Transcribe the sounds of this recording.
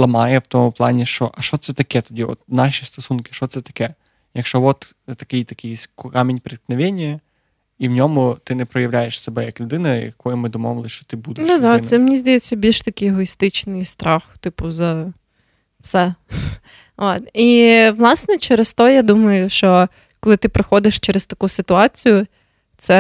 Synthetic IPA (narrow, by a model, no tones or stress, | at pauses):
lˠɐmɑjɛwt̪ɔmʊplˠɑnʲiʃt͡ʃɔʔɐʃt͡ʃɔt̪sɛt̪ɐkɛt̪ɔdʲiɔ̰t̪̚nɑʃʲist̪ɔsunkɪ̥ʃt͡ʃɔt̪sɛt̪ɐ̥kɛ | jɐkʃt͡ʃɔʋɔt̪ | t̪ɐkɪjt̪ɐkɪjskkamʲinʲpɾʲɪt̪knɐʋʲenʲːɐ | iwnʲɔmʊt̪ɪnɛpɾɔjɐʋlʲæjeʃsɛbɛjɐklʲʊd̪ɪnɐjɐkɔjʊmɪd̪ɔmɔʋlˠɪʃt͡ʃɔ̥t̪ɪbud̪d̪ɛd̪ɑsɛmnʲizd̪ɐjet͡sʲːɐbʲilʲʃt̪ɐkʲɪjɛɦɔist̪ɪt͡ʃnɪjst̪ɾɑxt̪ɪpʊzɐ | fsɛ | ot̪iʋlˠɑsnɛt͡ʃɛɾɛst̪ɔjad̪umɐjʊʃt͡ʃɔ | kɔlˠɪt̪ɪpɾɪxɔd̪ɪʃt͡ʃɛɾɛst̪ɐkusɪt̪ʊɑt͡sʲijʊ | t̪sɛ